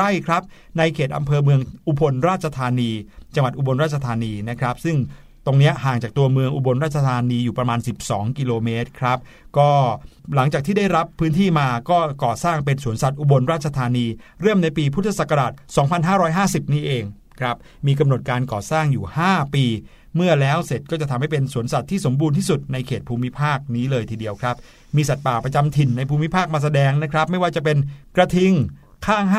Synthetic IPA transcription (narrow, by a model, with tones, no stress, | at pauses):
a˥˩jkʰɾa˦˥p̚ | na˧jkʰeː˨˩t̪̚ʔa̰˧mpʰɤː˧mɯ˧əŋʔu˧bo˧nɾaː˥˩t̪̚t͡ɕʰa˧t̪ʰaː˧niː˧t͡ɕa˧ŋwa˨˩t̪ʔu˧˩bo˧nɾaː˥˩t͡ɕʰa˧t̪ʰaː˧niː˧na˦˥kʰɾa˦˥p̚sɯ˥˩ŋ | t̪o˧ŋni˦˥ɐʔɦaː˨˩ŋt͡ɕaː˨˩k̚t̪u˧ɐmɯ˧əŋʔu˧bo˧nɾaː˥˩t̪̚t͡ɕa˧t̪ʰaː˧niː˧juː˨˩pɾa˧maː˧nsi˨˩p̚sɔː˩˦ŋki˧loː˧meː˦˥t̪̚kʰɾa˦˥p̚ | kɔː˥˩la˩˦ŋt͡ɕaː˨˩k̚t̪ʰiː˥˩da˥˩jɾa˦˥pʰːɯː˦˥nt̪ʰiː˥˩maː˧kɔː˥˩kɔː˨˩saː˥˩ŋpe˧nsu˨˩˦ənsa˨˩t̪̚ʔu˧bo˧nɾaː˥˩t̪̚t͡ɕʰa˧t̪ʰaː˧niː˧ɾɯ˥˩əmna˧jpiː˧pʰu˦˥t̪ʰːa˧sa˨˩kːa˧ɾaː˨˩t̪̚sɔː˩˦ŋpʰa˧nɦaː˥˩ɾɔː˦˥jɦaː˥˩si˨˩p̚niː˥˩ʔeː˧ŋ | kʰɾa˦˥p̚ | miː˧k̬a˧mno˨˩t̪̚kaː˧nkɔː˨˩saː˥˩ŋjuː˨˩haː˥˩piː˧ | mɯ˥˩ɐlɛː˦˥wse˨˩t̪̚kɔː˥˩t͡ɕa˨˩t̪ʰa˧mha˥˩jpe˧nsu˨˩˦ənsa˨˩t̪ʰːiː˥˩so˩˦mbuː˧nt̪iː˥˩su˨˩t̪̚na˧jkʰeː˨˩t̪̚pʰuː˧mi˦˥pʰaː˥˩k̚niː˦˥lɤː˧jt̪ʰiː˧di˧əwkʰɾa˦˥p̚ | miː˧sa˨˩t̪̚paː˨˩pɾa˧t͡ɕa˧mt̪ʰi˨˩nːa˧jpʰuː˧mi˦˥pʰaː˥˩k̚maː˧s̬a˧dɛː˧ŋna˦˥kʰɾa˦˥p̚ma˥˩jwaː˥˩t͡ɕa˨˩p̬e˧nkɾa˧t̪ʰi˧ŋ | kʰaː˥˩ŋ˥